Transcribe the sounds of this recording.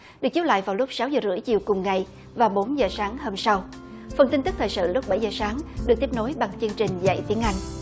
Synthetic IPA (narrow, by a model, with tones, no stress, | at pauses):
ɗɨ˨˩ək̚t͡ɕi˨˦˥la̰ː˧˨jvaː˨˩wlʊ˦˥k͡p̚sa˨˦wzəː˨˩zɨ̰˧˥əjt͡ɕi˨˩əwkʊ˨˩ŋ͡mŋa˨˩j | vaː˨˩wɓo˨˦nzəː˨˩saː˨˦ŋhoː˧msa˧w | fə˨˩nt̪i˧t̪ɨ˦˥k̚t̪əː˨˩jsɨ̰˧˨lʊ˦˥k͡p̚ɓa˧˩jzəː˨˩saː˨˦ŋɗɨ˨˩k̪̚i˦˥p̚no˨˦jɓa˨˩ŋt͡ɕɨ˧əŋt͡ɕï˨˩ŋ̟za̰˧˨jt̪i˨˦əŋʔa˧jŋ̟